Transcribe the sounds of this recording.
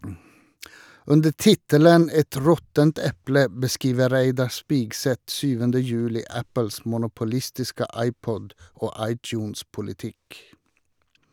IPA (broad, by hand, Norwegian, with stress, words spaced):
ˈʉndə ˈtɪtələn ˈɛt ˈɹɔtənt ˈɛplə bəˈskiːʋə ˈɾæɪdɑ ˈspɪɡsɛt ˈsyːʋəndə ˈjʉːlɪ ˈæpəls mʊnʊpʊˈlɪstɪskə ˈʔɑɪˌpɔd ˈoː ˈʔɑɪˌtjʉːnspʊlɪˌtɪk